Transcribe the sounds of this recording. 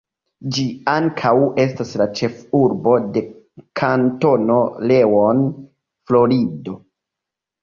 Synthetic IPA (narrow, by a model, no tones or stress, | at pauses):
d͡ʒiaŋkʰawe̞staslat͡ʃe̞fuɾbo̞de̞ | kʰanto̞no̞le̞won | flo̞ɾido̞